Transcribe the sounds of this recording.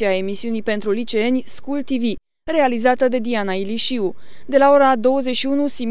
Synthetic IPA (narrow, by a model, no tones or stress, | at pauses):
iae̞misiunijpe̞nt̪ɾulit͡ʃee̞nʲskult̪ivi | re̞alizat̪əd̪e̞d̪ianailiʃiu | d̪e̞lao̞ɾad̪o̞wəze̞t͡ʃʃiunusim